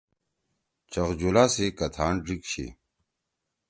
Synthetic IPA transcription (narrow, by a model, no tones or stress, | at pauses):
t͡ɕɐʁd͡ʑulasekɐt̪ʰaːɳɖikɕʰḛ